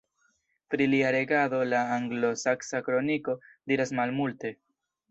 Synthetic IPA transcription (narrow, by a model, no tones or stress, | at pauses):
pɾiliaɾe̞ɡado̞laːŋɡlo̞saksakɾo̞niko̞diɾasmalmulte̞